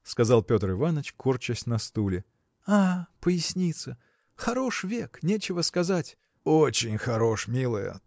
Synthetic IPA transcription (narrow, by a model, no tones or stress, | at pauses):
skɐzalˠpʲo̞t̪rɨvanət͡ɕkurt͡ɕəsʲnɐst̪ulʲɪ | apəjɪsʲnʲit̪sə | xɐɾo̞ʂvʲeknʲet͡ɕɪvəskɐzatʲ | ot͡ɕɪnʲxɐɾo̞ʂmʲilˠəjə̰